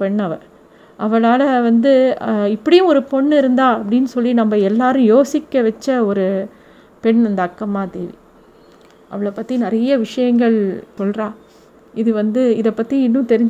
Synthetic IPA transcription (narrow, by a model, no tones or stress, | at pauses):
pɛɳːɐʋɐ̰ɾ | ʔɐʋɐɭaːlɐʋɐnd̪ɯɪpːɐɽɪjʊ̃ɔɾɯpɔɳːɪɾɯnd̪aːɐpːɐɽɪnːɯsɔlːinɐmːɐɛlːaːɾɯ̃joːsɪkːɐʋɛt͡ʃːɐɔɾɯ | pɛɳːɐnd̪ɐːkːɐmaːt̪ɪ̰l̰ | ʔɐ̰ʋɐɭɐpːɐt̪ːinɪɾɐjɐʋɪʂɐjɐŋɡɐɭsɔlrãː | ɪðɯʋɐnd̪ɯɪðɐpːɐt̪ːiɪnːɯ̃t̪ɛɾɪɲd͡ʒ